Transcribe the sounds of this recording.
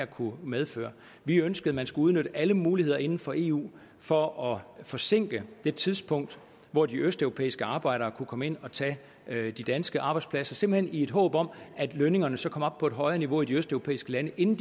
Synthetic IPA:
ɐkʰumeð̞ˠfø̰ːɐ | ʋiønsɡ̥əð̩ˠmænsɡ̥uuð̞ˠnøɾ̥əʔæləmuːlihe̝ð̰ˠɐe̝nn̩fɒ̽ʔe̝̰ːṵː | fɒ̽ɒ̽fɒ̽se̝ŋ̰ɡ̥əd̥e̝t͡sʰiðˠsb̥ʰɔ̽ŋ̰d̥ | ʋɒd̥iʔøsd̥øʊo̝pʰḛːisɡ̥əɑ̈ːb̥ɑ̈ɪ̰ɾ̥ɐːkʰukʰɒ̽məe̝n̰ɒ̽t͡sʰɛ̰ː | d̥id̥ænsɡ̥əʔɑ̈ːb̥ɑ̈ɪd̥spʰlæsɐse̝m̥l̩he̝nie̝d̥ɦɔ̰̽ːb̥ɒ̽m̰ʔæd̥løne̝ŋɐnəsɒ̽kʰɒ̽m̰ɒ̽b̥pʰɒ̽e̝d̥ɦɒ̽ɪɐːniʋo̝id̥iøsd̥œʊʁo̝pʰḛːisɡ̥əlænəʔe̝nn̩d̥

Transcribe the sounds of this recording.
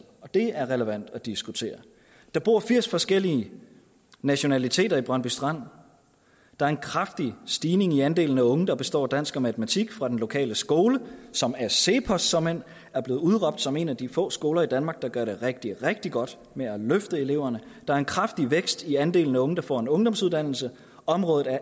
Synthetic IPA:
ɒ̽d̥e̝æɐʁɛləʋæn̰d̥æd̥isɡ̥ut͡sʰe̝̰ːɐ | d̥ɑ̈b̥o̝ɐ̰fiɐ̰sfɒ̽sɡ̥el̰iə | næɕo̝nælit͡sʰe̝̰ːd̥ɐib̥ʁɶnb̥ysd̥ʁɑn̰ | d̥ɑ̈æɐe̝nkʰʁɑfd̥isd̥iːne̝ŋiænd̥e̝̰ːln̩æɔ̽ŋəd̥ɑ̈b̥e̝sd̥ɒ̰ːd̥æn̰sɡ̥ɐmæt͡sʰəmæt͡sʰiɡ̥fʁɑ̈d̥enlo̝kʰɛ̰ːləsɡ̥o̝ːləsɒ̽mæseːpʰɒ̽ssɒ̽men̰ | æɐb̥le̝ːð̩ˠuðˠʁɒ̽b̥̚d̥sɒ̽me̝næd̥ifɔ̰̽ːsɡ̥o̝ːlɐid̥ænmɑ̈ɡ̥̚d̥ɑ̈ɡ̥ɶɐɾ̥e̝ʁeɡ̥̚d̥iʁeɡ̥̚d̥iɡ̥ɒ̽d̥ | meæløfd̥əe̝le̝ʊ̰ɐnə | d̥ɑ̈æɐe̝nkʰʁɑfd̥iʋeɡ̥sd̥iænd̥e̝ːln̩æɔ̽ŋəd̥ɑ̈fɒ̰ːe̝nɔ̽ŋd̥ɒ̽msuðˠd̥æn̰l̩sə | ɒ̽mʁɔ̽ːð̩ˠæɐ

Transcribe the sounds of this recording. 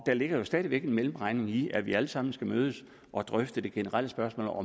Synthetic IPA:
d̥æɐle̝ɡ̥ɐjo̝sd̥ɛːðˠiʋeɡ̥e̝nmelm̩ʁɑ̈ɪne̝ŋiæʋiæləsɑ̈m̰n̩sɡ̥æmøːð̞ˠəs | ʔɒ̽d̥ʁœfd̥əd̥e̝ɡ̥e̝nəʁɑl̰əsb̥ɶɐsmɔ̰ːlɒ̽m

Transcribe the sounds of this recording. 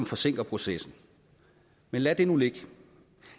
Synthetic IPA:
mfɒ̽se̝ŋ̰ɡ̥ɐpʰʁo̝sesn̩ | menlæd̥e̝nule̝ɡ̥

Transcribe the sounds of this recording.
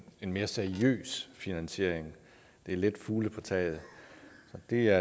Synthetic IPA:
e̝nme̝ːɐseɐiø̰ːsfinænɕe̝ɐ̰e̝ŋ | d̥e̝ɐle̝d̥fuːləpʰɒ̽t͡sʰɛ̰ːð̩ˠsɒ̽d̥e̝æɐ

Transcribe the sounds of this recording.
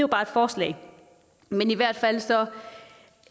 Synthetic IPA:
ʊb̥ɑ̈ːed̥fɒːslɛ̰ɪ | meniʋæɐ̰d̥fæl̰sɒ̽

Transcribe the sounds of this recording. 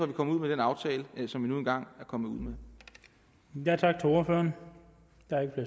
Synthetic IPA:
ɒʋikʰɒ̽məuð̞̰ˠmed̥enɑ̈ʊt͡sʰɛːləsɒ̽mʋinue̝nɡ̥ɑ̈ŋ̰æɐkʰɒ̽məuð̰ˠme | jæt͡sʰɑ̈ɡ̥̚t͡sʰe̝o̝ɐføːɐn | j̥ɑæɐeɡ̥əfle

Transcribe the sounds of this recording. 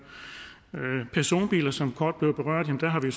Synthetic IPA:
pʰæɐso̝̰ːnb̥ḭːlɐsɒ̽mkʰɒːd̥̚b̥le̝ʊb̥e̝ʁɶɐ̰d̥ˠjemnd̥æɐɦɑ̈ʋios

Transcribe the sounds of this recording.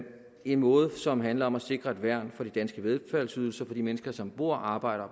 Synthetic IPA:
e̝nmɔ̽ːð̞̩ˠsɒ̽mɦænlɐɒ̽mæse̝ɡ̥ʁɐe̝d̥ʋæɐ̰nfɒ̽d̥id̥ænsɡ̥əʋe̝ðˠfælsyð̞ˠl̩sɐfɒ̽d̥imenəsɡ̥ɐsɒ̽mb̥o̝ɐ̰ɑ̈ːb̥ɑ̈ɪ̰ɾɐ

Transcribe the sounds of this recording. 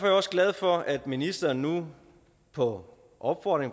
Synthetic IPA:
fɒ̽jɒ̽sɡ̥lɛð̞ˠfɒ̽æd̥minisd̥ɐːnːu | pʰɒ̽ | ʔɒ̽b̥fɒ̰ːd̥ʁeŋ

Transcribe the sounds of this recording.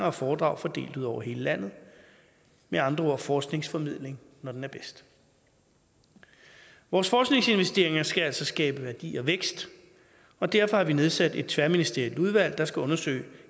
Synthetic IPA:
ɐɒfɒːd̥ʁɑ̈ʊ̰fɒ̽d̥e̝̰ːld̥uð̞̰ˠɒʊɐɦe̝ːləlæn̰ð̞̩ˠ | meɑ̈nd̥ʁɐoɐ̰fɒːsɡ̥ne̝ŋsfɒ̽mið̰ˠle̝ŋ | nɒd̥enæɐb̥esd̥ | ʋɒːsfɒːsɡ̥ne̝ŋse̝nʋesd̥e̝ɐe̝ŋɐsɡ̥ææl̰sɒ̽sɡ̥ɛːb̥əʋæɐd̥ḭːɒ̽ʋeɡ̥sd̥ | ɒ̽d̥æɐ̰fɒ̽hɑ̈ʋine̝ð̞ˠsæd̥e̝d̥t͡sʰʋæɐminisd̥e̝ɐild̥uð̞ˠʋæl̰d̥ɑ̈sɡ̥æɔ̽nɐsø̰ɪ

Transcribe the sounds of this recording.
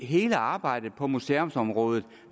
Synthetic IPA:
ɦe̝ːləɑ̈ːb̥ɑ̈ɪ̰d̥ð̩ˠpʰɒ̽museomsɒ̽mʁɔ̽ːð̞ˠð̩ˠ

